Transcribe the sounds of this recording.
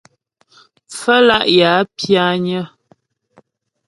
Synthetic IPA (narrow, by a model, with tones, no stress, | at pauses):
fə˦la˦ʔja˨˦pja˦ɲə˦